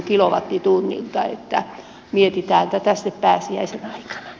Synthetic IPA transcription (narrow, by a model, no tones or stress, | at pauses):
kiloʋɑt̪ːit̪unːḭlt̪ɑḛt̪ːæ | miet̪it̪æːnt̪æt̪æst̪eppæːsiæ̰isenɑikɑ̥nɑ̥